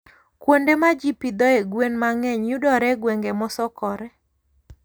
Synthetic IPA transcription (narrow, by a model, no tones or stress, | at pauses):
kwondemad͡ʒipid̪ɔeɡwenmaŋɛɲjudɔɾɛɡwɛŋɡemɔsɔkɔɾɛ